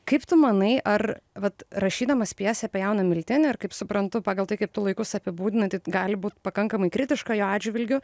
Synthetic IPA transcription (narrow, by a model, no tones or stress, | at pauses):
kɐɪpt̪ʊmɐnɐɪʔɐrʋɐt̪ɾɐʃʲiːd̪ɐmɐspʲiɛsʲɛpʲɛjɛʊnɐmʲɪlʲt̪ʲɪnʲɪɪɾkɐɪpsʊpɾɐnt̪ʊpɑːɡɐlˠt̪ɐɪkɐɪp̚t̪ʊlˠɐɪkʊsɐpʲɪbuːd̪ʲɪnɐt̪ɐɪɡɑːlʲɪbuːt̪pɐkɐŋkɐmɐɪkɾʲɪt̪ʲɪʃkɐjoːɑːdʲd͡ʒʲʋʲɪlʲɡʲʊ